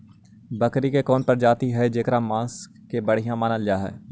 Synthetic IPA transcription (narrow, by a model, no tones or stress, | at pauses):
bəkɾikekɔːnpəɾd͡ʒaːt̪iɦɛd͡ʒeːkɾamãːs | kebəɽ̤ijãmaːnəld͡ʒaːɦɛ̰ː